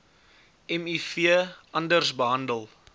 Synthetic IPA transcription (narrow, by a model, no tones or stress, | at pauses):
ɛmifiəʔɐndərsbəɦɐndəlˠ